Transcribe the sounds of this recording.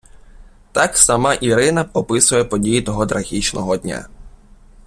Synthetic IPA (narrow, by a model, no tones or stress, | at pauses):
t̪ɑksɐmɑʔiɾɪnɐɔpɪsʊjɛpɔdʲijit̪ɔɦɔt̪ɾɐɣʲit͡ʃnɔɦɔd̪ʲnʲa̰